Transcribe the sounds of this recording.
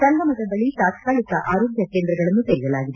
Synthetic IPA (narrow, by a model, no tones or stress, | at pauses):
sɐnɡɐmɐd̪ɐd̪ɐɭit̪aːt̪kaːlikɐʔaːɾoːɡjɐkeːnd̪ɾɐɡɐɭɐnːuseɾijɐlaːɡid̪e